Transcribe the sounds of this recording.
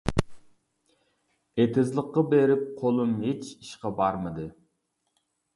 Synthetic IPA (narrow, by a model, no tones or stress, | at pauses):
et̪ʰɪzlˠəqːɑbeɾɪp̚qʰolˠumɦet͡ʃiʃqɑbɑɾmɨd̪ɨ